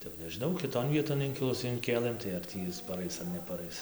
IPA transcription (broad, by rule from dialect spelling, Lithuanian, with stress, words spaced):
tɐɪ jɛʊ nʲɛʒʲɪˈnɐʊ kʲɪˈtoːn ˈʋʲiɛtoːn ˈɪŋʲkʲɪlˠʊs ɪŋʲˈkʲeːlˠɘm tɐɪ ɐr ˈtʲiː ɪs pɐˈrɐɪs ɐr nʲɛpɐˈrɐɪs